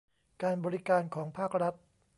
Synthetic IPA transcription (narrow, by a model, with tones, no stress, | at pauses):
kaː˧nbɔː˧ɾi˦˥kaː˧nkʰɔː˩˦ŋpʰaː˥˩k̚ɾa˦˥t̪̚